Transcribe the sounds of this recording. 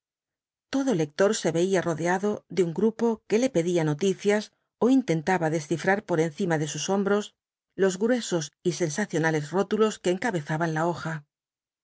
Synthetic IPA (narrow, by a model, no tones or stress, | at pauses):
t̪o̞ðole̞k̚t̪o̞ɾse̞βe̞iaro̞ðeaðo̞ðeuŋɡɾupo̞ke̞le̞pe̞ðiano̞t̪iθjas | o̞int̪e̞nt̪aβaðe̞sθifɾaɾpo̞ɾe̞n̟θimaðe̞suso̞mbɾo̞s | lo̞zɣɾwe̞so̞sise̞nsaθjo̞nale̞zro̞t̪ulo̞ske̞ːŋkaβe̞θaβanlao̞xa